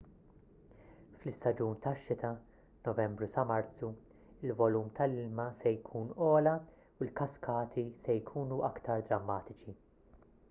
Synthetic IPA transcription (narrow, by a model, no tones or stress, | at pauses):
flɪst̪ɐd͡ʒuːnt̪ɐʃːɪt̪ɐ | nɔvɛmbɾusɐmɐɾt͡sːu | ɪlvɔluːmt̪ʰɐlɪlmɐsɛjkʰuːnɔːlɐ | uɪlkɐskʰɐːt̪ʰisɛjkʰuːnuʔɐkt̪ɐɾd̪ɾɐmːɐːt̪ɪt͡ʃi